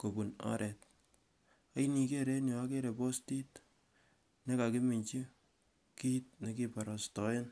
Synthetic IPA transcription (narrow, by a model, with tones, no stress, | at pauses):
ko˨bu˨na̰˦ɾʔɛ˨t̚ | a˦i˦ni˨ke˦ɾe˦njo˨a˦ke˦ɾe˨po˦sti˦t | ne˦ka˨ki˦mi˨ɲt͡ʃi˦ | ki˦t̚ne˨ki˦pa˨ɾa˨stɔ˨˦ɪ˦n